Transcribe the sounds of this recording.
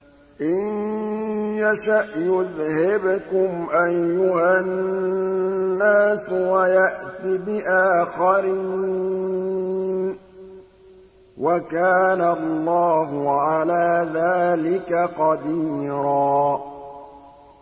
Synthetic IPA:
ʔɪn | jaʃaʔjʊðhɪbkʊmʔajːʊha | nːaːswajaʔt̪ibɪʔaːxaɾi | n | wakaːnaɑlˤːɑːɦʊʕalaːðaːlɪkaqɑd̪iːɾaː

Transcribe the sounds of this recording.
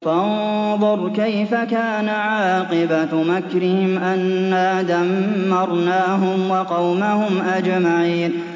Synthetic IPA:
fanðˤʊɾˤkajfakaːnaʕɑːqɪbamakɾɪhɪmʔanːaːd̪amːɑɾˤnaːɦʊmwɑqɑwmahʊmʔad͡ʒmaʕiːn

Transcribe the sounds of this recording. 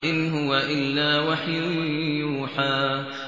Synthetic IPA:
ʔɪnɦʊwaʔɪlːaːwaħjʊjuːħaː

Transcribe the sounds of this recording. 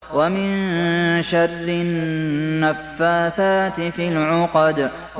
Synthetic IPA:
wamɪnʃɑrːɪː | afːaːθaːt̪ɪfɪlʕʊqɑd̪

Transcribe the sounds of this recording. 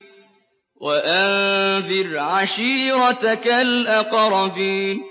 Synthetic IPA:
waʔanðɪɾʕaʃiːɾˤɑt̪kalʔaqɾˤɑbiːn

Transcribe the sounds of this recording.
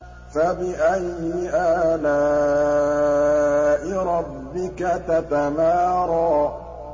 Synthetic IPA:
fabɪʔajɪʔaːlaː | ʔɪɾˤɑbːɪkat̪at̪amaːɾˤɑː

